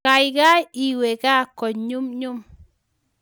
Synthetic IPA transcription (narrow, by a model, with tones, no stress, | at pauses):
a˨jɡa˦i˨we˨ɡa˦ko˨ɲu˦mɲu˦m